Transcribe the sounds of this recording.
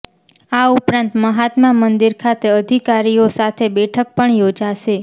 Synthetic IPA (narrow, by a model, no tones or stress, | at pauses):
aupɾãnt̪məɦat̪mamənd̪iɾkʰat̪eəd̪ʱikaɾiosat̪ʰebɛʈʰək̚pəɳjod͡ʒaʃe